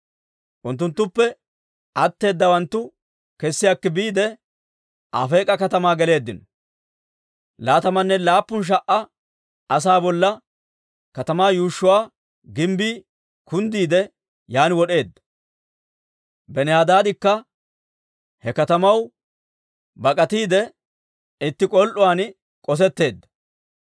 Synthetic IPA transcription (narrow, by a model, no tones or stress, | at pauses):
ʔʊnt̪̬ːʊnt̪ːʊpːɛ | ʔɐt̪ːe̞ːd̪ːɐwɐnt̪ːʊ | kɛsːɪjakːɪbiːd̪ɛ | a̰fe̞ːkʼɐkɐt̪ɐmaːɡɛle̞ːd̪ːɪnɔ | laːt̪ɐmɐnːɛlaːpːʊnʃ̬ɐʔːɐ | ɐs̬aːbɔlːɐ | kɐt̪ɐmaːjuːʃːʊwaː | ɡɪmbiː | kʊnd̪iːd̪ɛ | jaːnɪwɔɗe̞ːd̪ːɐ̥ | bɛnɛhaːd̪aːd̪ɪkːɐ | hɛkɐt̪ɐmɐw | bɐkʼɐt̪iːd̪ɛ | ɪt̪ːɪkʼɔlʔʊwaːn | kʼɔs̬ɛt̪ːe̞ːd̪ːɐ̥